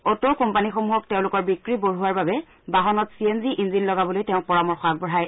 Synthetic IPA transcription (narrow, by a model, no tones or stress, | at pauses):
ɔtokɔmpanixɔmuɦɔk̚tɛʊ̃lʊkɔɹbikɹiboɹɦuaɹbabɛ | baɦɔnɔtsienziʔinzinlɔɡabɔlojtɛʊ̃pɔɹamɔɹxak̚bɔɹɦaj